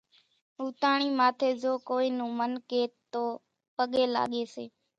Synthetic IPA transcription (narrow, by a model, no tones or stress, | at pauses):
ɦuːt̪aːɳ̃iːmaːt̪ʰeːd͡ʒoːkoːiːnũːmənkeːtt̪ːoː | pəɠeːla̰ːɠeːsḛː